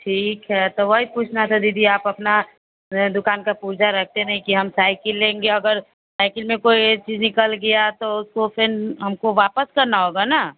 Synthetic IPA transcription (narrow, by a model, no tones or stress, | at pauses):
ʈʰiːkɦɛt̪oʋɐɦipuːt͡ʃʰnat̪ʰad̪iːd̪ʱiaːpɐpna | d̪ʊkaːnkapuːɾd͡ʒaɾɐk̚ʰt̪enɐɦĩkiɦɐmsaːɪkɪlːẽːŋɡeɐɡəɾ | saːɪkɪlmẽkoːit͡ʃiːd͡ʒnɪkəlɡɐjat̪oʊskopʰɪnɦɐmkoʋaːpəskɐɾnaɦoːɡanaː